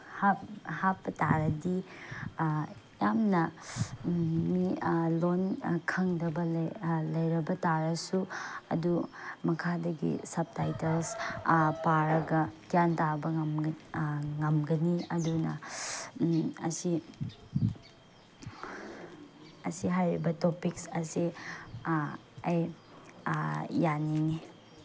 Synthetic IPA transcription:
haphapːɐta̰ɾɐdi | jamnɐ | milonkʰɐŋdɐbɐlɐjɾɐbɐtaɾɐsuɐ̰dumɐkʰadɐɡḭsɐp̚tajtelspaɾɐɡɐdjantabɐ | ŋɐmɡɐniɐdunɐ̰ | ɐ̰si | ɐsiɦajɾibɐtopiksɐsi | ɐj | janiŋi

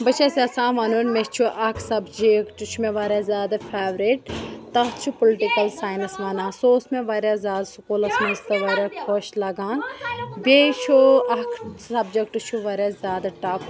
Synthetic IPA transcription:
bɐt͡ʃʰesʲasãːʋaːnunmet͡ʃʰuʔɐkʰsɐbd͡ʒekʈut͡ʃʰumeʋaːɾʲaːzʲaːd̪afʰeːʋɾiʈt̪ɐt͡ʃʰupuliʈikɐlsaːjnɐsʋaːnãːsoːsmeʋɐɾaːzʲaːd̪sukoːlɐsmɐzt̪ɐʋɐɾakʰoʃlɐɡaːnbet͡ʃʰuɐkʰsɐbd͡ʒekʈut͡ʃʰuʋɐɾʲazʲjaːd̪aʈaːp

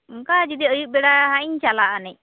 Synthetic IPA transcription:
ŋkad͡ʒud̪iəjuk̚bɛɽaɦaiɲt͡ʃalaʔanɛ

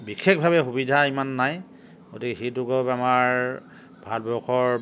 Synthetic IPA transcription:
bikʰek̚bʱabɛxubidʱaimanːaj | ɡotikɛxitʊkopamaɹ | bʱalbɔkʰɔɹ

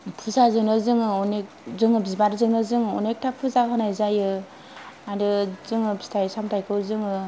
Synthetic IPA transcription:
pʰuzazɯŋnɯzɯŋɯɔnek̚ | zɯŋɯbizbaɾzɯŋnɯzɯŋɔ̰nek̚tʰapʰuzaɦɯnajzajɯ | aɾɯzɯŋɯbistʰajsamtʰajkʰɯwzɯŋɯ

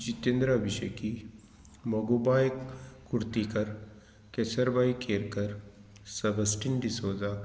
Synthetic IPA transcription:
d͡ʒit̪ẽnd̪ɾəɐbiʃəki | mɐɡoːbaːjkuɾt̪ikɐɾ | kesəɾbaːikeːɾkɐɾ | sɐbɐsʈinɖisoːza

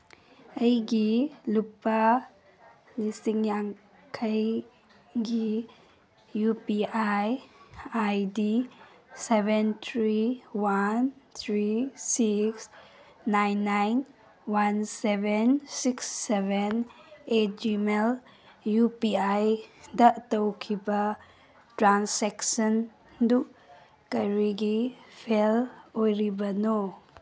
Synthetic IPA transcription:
əjɡilupa | lisiŋjaŋ | kʰəj | ɡi | jupiajajdi | sebent̪ʰɾiwant̪ʰɾisiks | najnːajn | wansebʱensiksːebenetd͡ʒimel | jupiajdɐtɐwkʰibɐ | tɾanseksɐn | du | kɐɾiɡipʰelojɾibɐno

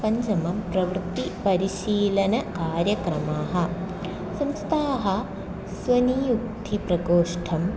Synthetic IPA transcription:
pɐɲd͡ʒɐmɐmpɾɐʋɾt̪ipɐɾiʃiːlɐnɐkaːɾjɐkɾɐmaːɦɐ̆ | sɐmst̪ʰaːɦɐ̆ | sʋɐnijuk̚t̪ʰipɾɐkoːʂʈʰɐm

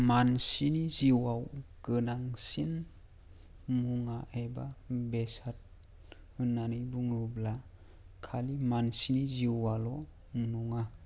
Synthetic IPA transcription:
mansiniziwawɡɯnaŋsin | muŋaeba̰besat̚ | ɯnːanɯjbuŋɯbla | kʰalimansiniziwalɔ | nuŋa

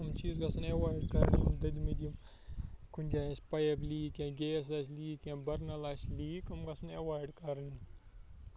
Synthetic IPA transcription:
ɨmt͡ʃiːzɡɐsɐnewaːɖkɐɾnimd̪ɐd̪mid̪ʲjim | kʰunʲd͡ʒʲaːẽsʲpɐjebliːkẽːɡʲees̬aːs̬ʲliːkẽːbɐɾnɐlasʲliːkɐmɡɐsʰɨnewaːɾɖkɐɾni

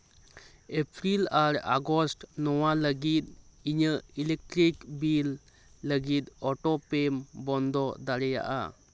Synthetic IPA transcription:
epʰɾilaɾa̰ɡɔsʈnɔwaləɡit̪̚iɲəilek̚ʈɾikbilː | əɡit̪̚ɔʈɔpembɔnd̪ɔd̪aɾɛja̰ʔa̰

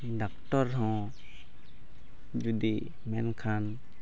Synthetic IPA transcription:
ɖak̚ʈɔɾɦɔ̃ | d͡ʒud̪i | mɛnkʰan

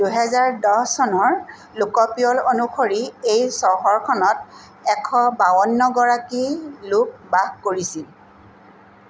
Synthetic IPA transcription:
d̥uɦɛzaɹdɔsɔnɔɹ | lukɔpiɔlonuxʰoɹiejsɔɦɔɹkʰɔnɔt̚ | ɛkʰɔbawɔnːɔɡɔɹakilup̚baɡkoɹisil

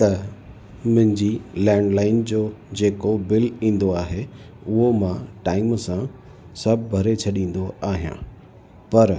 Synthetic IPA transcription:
t̪ɐ | mʊ̃ɦɪ̃ɲd͡ʑilɛ̃ːɳɖlaːɪnd͡ʑoːd͡ʑeːkobɪlĩːn̆d̪oaːɦe | ʊɦomãʈaːɪmsã | sɐbʱbʱɐɾet͡ɕʰɐɗĩːn̆d̪oaːɦijã̰ | pɐɾ

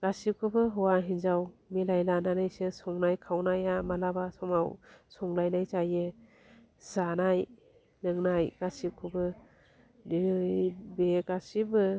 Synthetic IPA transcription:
ɡ̥asikʰɯbɯɦɔwaɦinzawmilajlananajsɯsɔŋnajkʰawnajamalabasɔmawsɔŋlajnajt͡ʃajɯ | z̥anaj | nɯŋnajɡ̥asip̚kʰɯbɯ | niɯjbeɡasibɯ

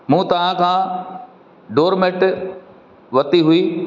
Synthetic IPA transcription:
mũːt̪ɐʋ̤ãkʰãː | ɖoːɾmeʈ | ʋɐt̪iɦʊiː

